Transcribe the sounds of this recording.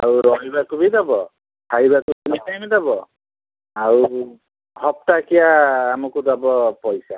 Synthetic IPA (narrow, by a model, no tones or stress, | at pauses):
a̰ɹuɾɔɦibakubidabɔ | tʰaɦibakutunitajbidabɔ | aɹu | hɔp̚takijaːmukudabɔpɔjsa